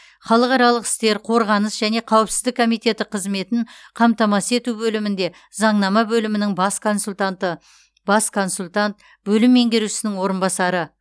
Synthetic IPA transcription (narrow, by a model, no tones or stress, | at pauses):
χɑlˠəqɑɾɑlˠəqɪ̥st̪e̞ɾqʰo̞ɾʁɑnəsʒæne̞qʰɑwəpsɪ̥zd̪ɪkʰːo̞mijt̪e̞t̪ɪqʰəzme̞t̪ɪɴqʰɑmt̪ɑmɑse̞t̪uwbɵlɪmɪnd̪e̞ | zɑɴnɑmɑbɵlɪmɪnɪŋbsknsut̪t̪ə | bɑskʰo̞nsulʲt̪ɑnt̪̚ | bɵlɪmːe̞ŋɡʲeɾusɪnɪŋwo̞ɾənbɑsɑɾə